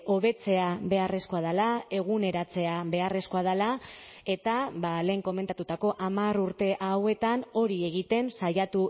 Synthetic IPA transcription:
o̞βe̞t͡se̞aβe̞are̞sko̞að̞alae̞ɣ̞une̞ɾat͡se̞aβe̞are̞sko̞að̞alae̞t̪aβale̞ːŋko̞me̞nt̪at̪ut̪ako̞ʔamaruɾt̪e̞ʔawe̞t̪ano̞ɾie̞ɣit̪e̞nsajat̪u

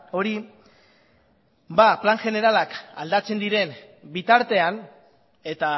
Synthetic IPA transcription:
o̞ɾi | baplaŋʝe̞ne̞ɾalaka̰ld̪at͡se̞nd̪iɾe̞n | bit̪aɾt̪e̞an | e̞t̪a

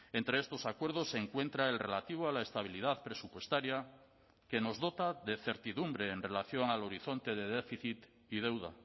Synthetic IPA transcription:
e̞nt̪ɾeest̪o̞sakwe̞ɾð̞o̞seŋkwe̞nt̪ɾae̞lre̞lat̪iβ̞oalaest̪aβ̞ilið̞aðpɾe̞supwe̞st̪aɾja | ke̞no̞zðo̞t̪aðe̞θe̞ɾt̪iðumbɾe̞ːnre̞laθjo̞ŋalo̞ɾiθo̞nt̪e̞ðe̞ðefiθit̪ | ið̞e̞wða

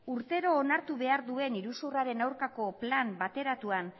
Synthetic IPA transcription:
uɾt̪e̞ɾo̞ːnaɾt̪uβe̞aɾðue̞niɾusuraɾe̞nawɾkako̞plambat̪e̞ɾat̪uan

